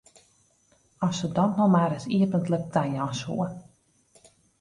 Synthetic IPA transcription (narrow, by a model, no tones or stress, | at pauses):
ɔsədɔtnɔmaːɾɪsiəpəntlək̚tajɔshṵə